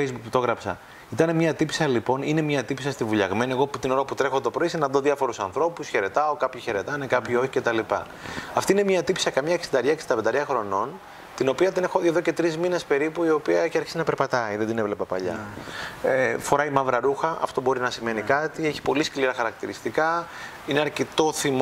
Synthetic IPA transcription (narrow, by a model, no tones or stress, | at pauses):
ejzbukpt̪o̞ɣɾɐpsɐ̰ | it̪ɐnemɲɐt̪ipi̥sɐlipo̞nine̞mɲɐt̪ipisɐst̪ivuʎɐɣme̞nie̞ɣo̞put̪ino̞ɾɐput̪ɾe̞xo̞t̪o̞pɾisinɐðoðjɐfo̞ɾusɐnθɾo̞pusçe̞ɾe̞t̪ɐo̞kɐpçiçe̞ɾe̞t̪ɐnekɐpçio̞çice̞t̪ɐlipɐ̰ | ɐft̪iine̞mɲɐt̪ipi̥sɐkɐmɲɐksid̪ɐɾʝɐksi̥t̪ɐbed̪ɐɾʝɐxɾo̞no̞n | t̪ino̞piɐt̪inexoeðo̞ce̞t̪ɾizmine̞spe̞ɾipuio̞piɐeçiɐɾçi̥sinɐpeɾpɐt̪ɐiðend̪inevle̞pɐpɐ̰ʎɐ̰ | efo̞ɾɐimɐvɾɐɾuxɐʔɐ̰ft̪o̞bo̞ɾinɐsime̞nikɐt̪ieçi̥po̞liskliɾɐxɐɾɐkt̪iɾist̪ikɐ | ineɐɾcet̪o̞θim